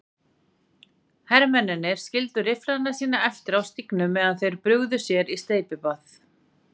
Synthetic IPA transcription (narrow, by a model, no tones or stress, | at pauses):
hɛɾmɛnɪnːɪɾ̥scɪlt̪ʏɾɪfɾaðnḁsiːnaɛft̪ɪɾawst̪iknʏmːɛːðanθejɾpɾʏɣðʏsjɛɾist̪eːjpɪpaθ